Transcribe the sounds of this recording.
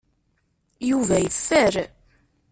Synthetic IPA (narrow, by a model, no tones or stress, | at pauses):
juvæjəfːəɾ